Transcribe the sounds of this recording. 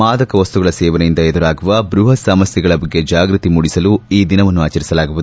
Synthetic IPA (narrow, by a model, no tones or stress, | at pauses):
aːd̪ɐkɐʋɐst̪uɡɐɭɐsɛːʋɐnɐjind̪ɐed̪uɾaːɡuʋɐbɾuɦɐsɐmɐsjɐɡɐɭɐbɐɡːe̞d͡ʒaːɡɾut̪imuɽisɐluiːd̪inɐʋɐnːuaːt͡ʃɐɾisɐlaːɡuʋud̪u